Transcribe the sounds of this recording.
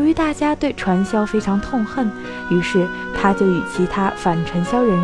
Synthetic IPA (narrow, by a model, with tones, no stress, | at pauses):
y˧˥t̪a˥˩t͡ɕja˥t̪we˥˩ɪʈ͡ʂʰwa˧˥nɕjɑ˥ʊfe˥ɪʈ͡ʂʰɑ˧˥ŋt̪ʰʊ˥˧ŋxə˥˩n | y˧˥ʂɻ̩˥˩ | t̪ʰa˥t͡ɕjo˥˩ʊi˨˩t͡ɕʰi˧˥t̪ʰa˥fa˨˩nʈ͡ʂʰwa˧˥nɕjɑ˥ʊɻə˧˥n